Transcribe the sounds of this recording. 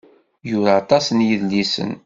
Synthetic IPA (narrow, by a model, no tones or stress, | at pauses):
jʊɾat̪ˤɑsənjiðlisə̰n